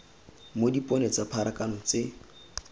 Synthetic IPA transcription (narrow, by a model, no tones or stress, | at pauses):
modipʼɔnet͡sapʰaɾakanɔt͡se